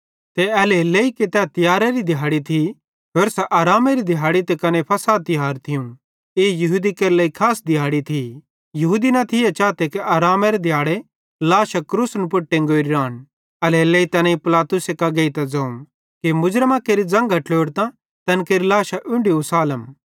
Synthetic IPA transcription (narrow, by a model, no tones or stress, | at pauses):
t̪eɐlelːeiket̪ɛt̪ɪjaːɾeɾid̪ʱjaːɽit̪ʰi | ɦoːɾsɛʔaːɾaːmeɾid̪ʱɪjaːɽit̪ɛkɐnepʰɐsaːt̪ːɪɦaːɾt̪ʰɪjũ | eːjɐɦuːd̪ikɐɾlɐːikʰaːsd̪ʱɪjaːɽit̪ʰi | jɐɦuːd̪inɐt̪ʰɪjat͡ʃaːt̪ekeʔaːɾaːmeɾed̪ʱɪjaːɽe | laːʃakɾuːsnpʊʈːẽŋɡoːɾiɾaːn | ɐlelːeːit̪ɐnãipɪlaːt̪ʊsekɐɡeːit̪ɛd͡zɐ̃ːũ | kemʊd͡ʒɾəmakeːɾid͡zɐ̃ŋɡaʈloːɽt̪ã | t̪ɐnkeːɾilaːʃaʔʊ̃ɳɖiusaːləm